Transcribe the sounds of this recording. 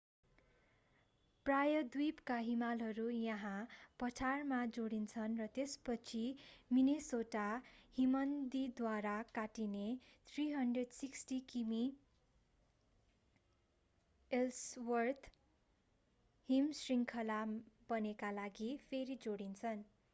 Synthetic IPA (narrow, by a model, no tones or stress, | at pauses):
prajʌd̪wipkaɦimalɦʌɾujʌɦãpʌt͡sʰarmad͡zoɽint͡sʰʌnrʌt̪espʌt͡sʰiminesoʈahimʌnd̪id̪waɾakaʈinet̪ʰriɦʌndreɖsiksʈikimi | elswʌrt̪ʰ | himsriŋkʰʌlab̥ʌnekalaɡipʰeɾid͡zoɽint͡sʰʌn